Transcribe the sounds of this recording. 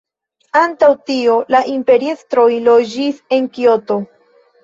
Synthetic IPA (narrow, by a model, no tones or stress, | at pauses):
antawtio̞laʔimpe̞ɾiest̪ɾo̞jlo̞d͡ʒise̞ŋkio̞t̪o̞